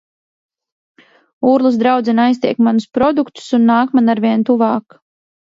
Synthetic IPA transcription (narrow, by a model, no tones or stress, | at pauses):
uːɾlˠusd̪ɾawd̪zɛnajs̬t̪iɛkmanuspɾɔd̪ukt̪u̥sunːaːkmanaɾvʲiɛnt̪uvɑːk